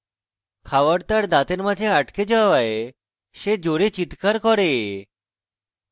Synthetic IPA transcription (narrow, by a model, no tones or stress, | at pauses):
kʰaʋəɽt̪aɽd̪at̪enmat̪ʰẽaʈked͡ʒəʋae | ʃed͡ʒoɾet͡ɕit̪kaɾkɔɾe